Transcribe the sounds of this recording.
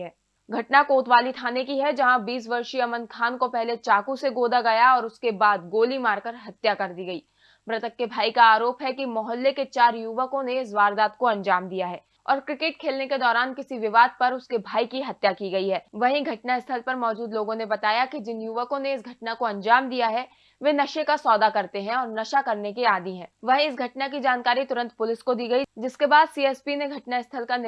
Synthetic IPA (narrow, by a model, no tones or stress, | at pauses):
ɛː | ɡʱɐʈnakoːt̪ʋaːlit̪ʰaːnekiɦɛd͡ʒɐɦãbiːs̬ʋɐɾʃiɐmə̃n̚kʰaːnkopɛɦlet͡ʃaːkuseɡoːd̪aɡɐjaɔːɾʊskebaːd̪̚ɡoːlimaːɾkɐɾɦɐt̪jakɐɾd̪iɡɐiː | pɾɐt̪əkːebʱaːikaaːɾoːpɦɛkimɔɦəlːeket͡ʃaːɾjuʋəkõneɪsʋaːɾd̪aːt̪koɐ̃nd͡ʒaːmd̪ijaɦɛː | ɔːɾkɾɪkɪʈkʰeːlneked̪ɔːɾaːnkɪsiʋɪʋaːd̪̚pɐɾʊskebʱaːikiɦɐt̪jakiɡɐiɦɛːʋɐɦĩɡʱɐʈnaɪst̪ʰəlpɐɾmɔːd͡ʒuːd̪loːɡõnebɐt̪aːjakid͡ʒɪnjuʋəkõneɪsɡʱɐʈnakoɐ̃nd͡ʒaːmd̪ijaɦɛ | ʋenɐʃekasɔːd̪akɐɾt̪eɦɛ̃ɔːɾnɐʃakɐɾnekiaːd̪iɦɛ̃ːʋɐɦĩɪsɡʱɐʈnak̬id͡ʒaːnkaːɾit̪ʊɾə̃nt̪pʊlɪskod̪iːɡɐid͡ʒɪskebaːd̪siːɛːspineɡʱɐʈnaɪst̪ʰəlkan